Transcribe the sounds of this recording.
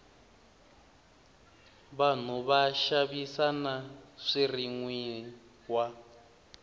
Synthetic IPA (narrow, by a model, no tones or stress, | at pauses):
βan̤uβaʃaβisanaʂiriŋwi | wa